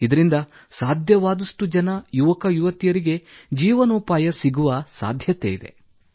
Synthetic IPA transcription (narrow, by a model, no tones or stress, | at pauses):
id̪ɐɾind̪ɐ | saːd̪ʱjɐʋaːd̪ɐʂʈud͡ʒɐnɐjuʋɐkɐjuʋɐt̪ijɐɾiɡe̞d͡ʒiːʋɐnuːpaːjɐsiɡuʋɐsa̰ːd̪ʱjɐt̪ḛid̪e̞̰